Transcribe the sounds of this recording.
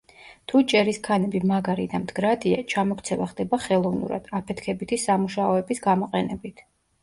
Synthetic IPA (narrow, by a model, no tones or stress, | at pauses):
t̪ʰut͡ʃʼɛɾiskʰanɛbimaɡaɾid̪amd̪ɡɾad̪ia̰t͡ʃʰamɔkʰt̪sʰɛvaχd̪ɛbaχɛlˠɔvnṵɾa̰d̪̥apʰɛt̪ʰkʰɛbit̪ʰisamuʃaɔɛbisɡamɔqʼɛnɛbit̪ʰ